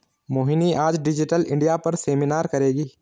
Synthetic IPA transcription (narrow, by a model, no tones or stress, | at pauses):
moːɦɪniʔaːd͡ʒɖɪd͡ʒɪʈəlɪ̰̃ɳɖijapɐɾseːminaːɾkɐɾeːɡiː